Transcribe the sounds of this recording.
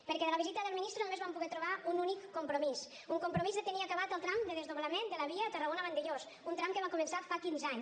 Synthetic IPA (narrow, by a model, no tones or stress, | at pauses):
pəɾkɛðələβizit̪əðəlˠminist̪ɾunomezβampuɣɛt̪ɾuβ̞aununikːumpɾumis | uŋkumpɾumizðət̪əniakəβat̪əlˠt̪ɾamd̪əðəzðoβləmend̪ələβiət̪ərəɣonəβənd̪eʎos | unt̪ɾamkəβ̞akumənsafakinzaɲ